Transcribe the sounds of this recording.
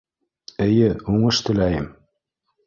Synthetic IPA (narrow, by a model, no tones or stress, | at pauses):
ɘ̆jɘuɴɤʃt̪ɵ̆læjɘm